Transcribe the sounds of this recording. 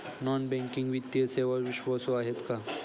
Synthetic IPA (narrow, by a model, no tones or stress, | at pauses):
nɔnbɛ̃ŋkiŋɡʋit̪ːjəseʋaʋiɕʋasoaɦet̪ka